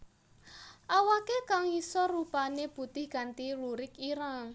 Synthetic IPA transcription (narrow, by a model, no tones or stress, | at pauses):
ʔawakekaŋisɔrupaneb̥ṳt̪ɪhɡ̥a̤nt̪iluɾɪkiɾaŋ